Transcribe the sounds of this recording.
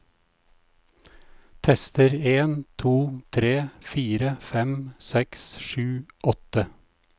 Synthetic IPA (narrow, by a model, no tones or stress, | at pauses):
t̪ʰɛst̪əɾeːnt̪ʰuːt̪ʰɾeːfiːɾəfɛmsɛksʃʉːʔɔt̪ə